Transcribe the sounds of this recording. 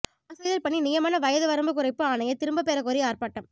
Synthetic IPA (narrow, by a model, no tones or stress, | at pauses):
ɐsɐɪðɐlpɐɳːinɪjɐmaːnɐʋɐjɐðɯʋɐɾɐmbɯkʊɾɐɪpːɯaːnɐjɐt̪ɪɾɯmbɐpeːɾɐkoːɾiaːrpaːʈːɐm